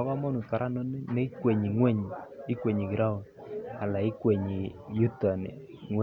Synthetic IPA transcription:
ɔ˦ka˦mɔ˦nu˨ka˨ɾʔa˦nɔ˦ne˦kwe˨ɲi˨ŋwɛ˦˨ɲ˨ɪ˦kwe˨ɲi˨ɡi˨ɾa˦wn | a˨la˨ɪ˦kwe˨ɲi˨ju˦ta˨nḛ˨ | ŋw

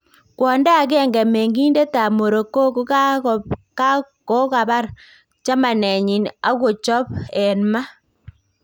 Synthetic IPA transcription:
kwɔ˨nda˦˨ɣɛ˦˨ŋɡɛ˨me˨ŋɡi˦nde˦ta˨mo˨ɾo˨ko˦ko˦ka˦ka˦ | ko˦ɣa˨βa˦ɾ | t͡ʃa˦ma˨ne˨ɲi˨na˦ɣo˨t͡ʃɔ˦pe˨nma˦

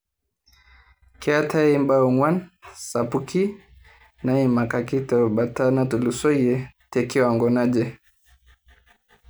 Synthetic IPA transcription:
kɛ˦a˦tʰa˦i˦mba˦u˨ŋwa˦nsa˨pu˦kʰi˦ | na˦i˦ma˨ka˨ki˦tɔ˨ba˨ta˦na˦tu˨lu˨sɔ˦jɛ˨tɛ˨ki˦wa˨ŋɡɔ˨na˦d͡ʒɛ˦

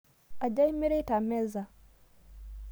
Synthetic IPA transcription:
ʔa˨d͡ʒa˦jmi˦ɾe˦ta˨mɛ˦za˨

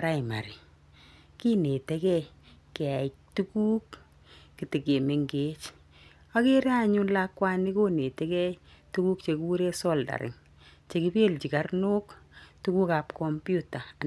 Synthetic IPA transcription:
ɾa˦i˨ma̰˨ɾi˨ | ki˦ne˨te˦kɛ˦kɛ˨tu˦kuː˦kː | i˨ti˨ke˨me˨ŋɡet͡ʃ | a˦ke˦ɾa˦ɲu˦nlakːwa˦ni˦ko˦ne˨tɛ˦kɛ˦tu˦ku˦k̚t͡ʃe˨ku˦ɾe˦sɔ˦lda̰˨ɾɪ̰˨ŋ | t͡ʃe˨ki˦pe˦lt͡ʃi˨ka˦rnu˦ktu˦ku˦ka˨pkɔ˨mpju˦ta˨

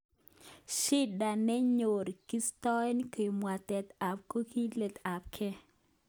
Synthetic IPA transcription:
ʃi˦da˨nɛ˦ɲo˨ɾki˦stɔ˦nko˨i˨mwa˨tɛ˨t̪a˨p̚ko˦ki˦le˨t̪a˨p̚kʰɛ˦

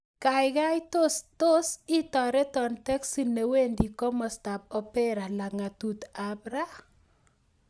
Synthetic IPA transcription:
kajka˦jto˦sto˦si˦tɔ˨ɾɛ˦tɔ˨ntɛ˦ksi˦ne˨we˦ndi˨kɔ˦mɔsta˨p̚ɔpɛɾa˨la˨ŋa˨tut̪abɾa˦

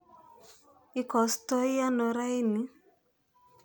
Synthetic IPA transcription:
ɪ˨˦kɔ˨stɔ˦ɪ˦a˦nɔ˨ɾa˦i˦nɪ˨

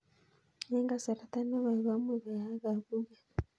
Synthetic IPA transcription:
je˦ŋɡa˨sa˨ɾa˨t̪a˦na˦βa˨i˨βa˦mwe˨βa˨ja˦ɣa˨βu˦βa˦

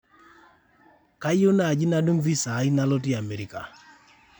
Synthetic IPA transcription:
ka˦jo˦na˨d͡ʒi˦na˦du˦ŋvi˦sa˨˦i˦na˦lɔ˦ti˦a˨mɛ˨ɾi˨ka̰˨

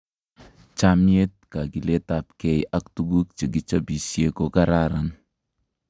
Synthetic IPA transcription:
t͡ʃa˦mje˦t̚ka˨ki˨le˦ta˨p̚kɛ˦˨jʔa˦k̚tu˦ɡu˦k̚t͡ʃe˨ki˦t͡ʃa˦bi˨sje˦ko˦ka˦ɾa˦ɾa˨n

